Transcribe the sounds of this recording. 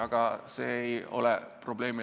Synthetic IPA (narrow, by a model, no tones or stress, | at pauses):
ɑɡ̥ɑse̞̰ːejo̞̰lɛpro̞b̥le̞ːmi